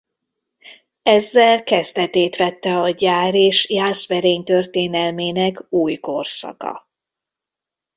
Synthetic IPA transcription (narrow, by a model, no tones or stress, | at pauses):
ɛzːɛlkɛzd̪ɛt̪eːt̪ʋɛt̪ːɛɒɟaːɾeːʃjaːʃʋɛɾeːɲt̪ørt̪eːnɛlmeːnɛkuːjko̞rsɒ̰kɒ̰